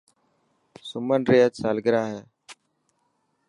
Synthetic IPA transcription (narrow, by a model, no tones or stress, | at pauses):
sʊmənɾeːəsaːlɡɾaːɦeː